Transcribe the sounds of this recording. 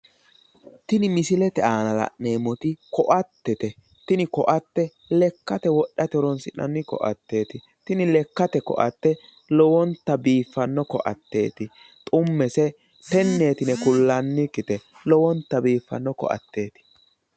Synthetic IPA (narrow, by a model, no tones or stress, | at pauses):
t̪ɪnɪmɪsɪlɛt̪ɛaːnɐlɐ̰ʔne̞ːmɔt̪ɪkɔʔɐt̪ːɛt̪ɛ | t̪ɪnɪkɔʔɐt̪ːɛ | lɛkːɐt̪ɛwɔɗːɐt̪ɛɾɔnsɪnːɐ̰nːɪkɔ̰ʔɐ̰t̪ːe̞ːt̪ɪ | t̪ɪnɪlɛkːɐt̪ɛkɔ̰ʔɐ̰t̪ːɛ | lɔwɔnt̪ːɐbiːfːɐnːɔkɔ̰ʔɐ̰t̪ːe̞̰ːt̪ɪ | t̪ʼʊmːɛsɛ | t̪ɛnːeːt̪ɪnɛkʊlːɐnːɪkːɪt̪ɛ | lɔwɔnt̪ːɐbiːfːɐ̰nːɔkɔ̰ʔɐ̰t̪ːe̞ːt̪ɪ̥